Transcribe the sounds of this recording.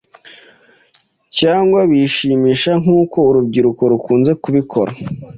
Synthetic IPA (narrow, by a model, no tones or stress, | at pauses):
caːŋɡwaβiʃiːmiːʃaŋ̥uːko̞uɾub̚ɟiɾuko̞ɾukuːnze̞kuβikʰo̞̰ɾa̰